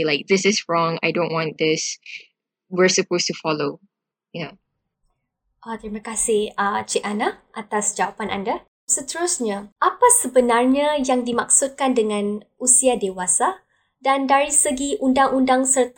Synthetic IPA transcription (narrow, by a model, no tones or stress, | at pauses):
laɪk̚ðɪsɪsɹɔ̃ŋa̰jdõnʔwɔ̃nd̪ɪs | wiɹsəpostufɔlo | ja | ʔɔt̪əɾimakasɪhat͡ʃiʔanaʔat̪asd͡ʒawapanʔa̰nda | sət̪əɾusɲaʔapasəbənarɲajaŋdimaksut̪̚kandəŋãnʔusiadewasa | dandaɾisəɡiʔundaŋʔundaŋsərt̪